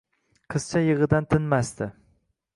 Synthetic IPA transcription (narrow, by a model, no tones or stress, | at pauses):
qʰɨz̥t͡ʃʰajɨʁɨd̪ant̪ʰɪnmast̪ɪ